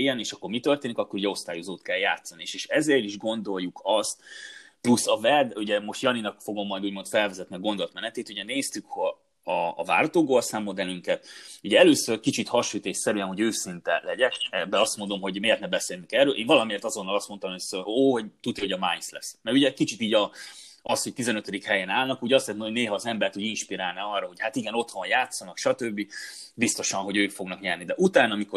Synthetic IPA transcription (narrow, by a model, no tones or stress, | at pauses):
jːɛneːʃɒkːo̞rmit̪ø̞rt̪eːnikɒkːo̞ɾuɟɛo̞st̪aːjozoːt̪kɛlja̰ːt̪sɒnieːʃeːʃɛzeːɾiʒɡo̞nd̪o̞ljːukɒst̪ | plusːɒvɛd̪uɟɛmo̞ʃt̪jɒninɒkfo̞ɡo̞mːɒjd̪uːɟmo̞nt̪fɛlvɛzɛt̪niɒɡo̞nd̪ot̪mɛnɛt̪eːt̪uɟɛneːst̪ykho | ɒ̰ːva̰ːɾɒt̪oːɡolsaːmːod̪ɛlyŋkɛt̪uɟɛɛløːsørkit͡ʃit̪hɒʃyt̪eːʃsɛɾyɛnho̞ɟøːsint̪ɛlɛɟɛkɛbːɛɒst̪mo̞nd̪o̞mɦo̞ɟmeːrt̪nɛbɛseːlyŋkɛrːøːlʔeːɱvɒlɒmieːrt̪ɒzo̞nːɒlɒst̪mo̞nt̪ɒmsøoːɦoɟt̪ut̪ːiho̞ɟɒmajnslɛ̰smɛɾuɟɛkit͡ʃit̪iːɟɒ | ɒshoc̚t̪izɛnøt̪ød̪ikhɛjɛnaːlnɒkuːɟɛɒst̪lɛt̪mnoɟneːɦɒːzɛmbɛrt̪uːɟinʃpiɾaːlnɛɒrːɒɦo̞chat̪iɡɛnot̪ho̞njaːt̪sɒnɒkʃɒt̪øbːibist̪o̞ʃɒnɦo̞ɟøːkfo̞ɡnɒkɲɛrnid̪ɛʔut̪aːnɒmiko̞